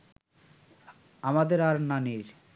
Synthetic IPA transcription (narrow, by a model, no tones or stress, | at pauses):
amad̪eɾaɾnaniɾ